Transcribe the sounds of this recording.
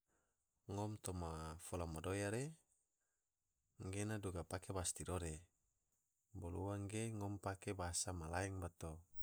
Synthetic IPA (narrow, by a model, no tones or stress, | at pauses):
ŋɔmt̪omafolamodojaɾe | ŋɡenaduɡapakebast̪idoɾe | boluwaŋɡeŋɔmpakebaasamalaɛŋbat̪o